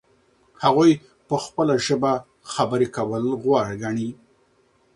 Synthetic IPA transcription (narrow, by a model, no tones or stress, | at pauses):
haɣuj | pəxpəlaʒəba | xabəɾekawəlɣwɑɽɡaɳi